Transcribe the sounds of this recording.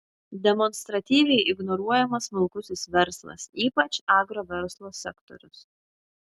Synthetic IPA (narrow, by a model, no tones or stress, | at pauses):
d̪ʲɛmɔnʲst̪ɾɐt̪ʲiːʋʲɛɪʔɪɡnɔɾuɔjɛmɐsmʊlˠkʊsʲɪsʋʲɛɾslˠɐ̰siːpɐt͡ʃɑːɡɾoːʋʲɛɾslˠoːsʲɛkt̪ɔ̰ɾʲʊs